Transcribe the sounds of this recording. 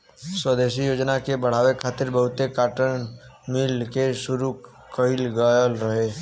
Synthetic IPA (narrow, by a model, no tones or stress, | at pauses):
swəd̪eːʃijoːd͡ʒnakebəɽ̤aːwekʰaːt̪ɪɾbəɦʊt̪ekaːʈən | mɪlkesʊɾu | kəɪlɡəjəlɾəɦeː